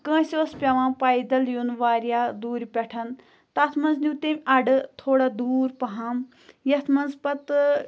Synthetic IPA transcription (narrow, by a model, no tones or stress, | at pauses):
kə̃ːsʲiʋɐspʲɐʋãːpaːjd̪ɐljunʋaːɾjaːd̪uːɾpʲɛʈʰɐn | t̪ɐːt̪ʰmɐnznʲut̪emʲɐɖɨt̪ʰoːɽaːd̪uːɾpɐɦaːm | jɐt̪ʰmɐnzpɐt̪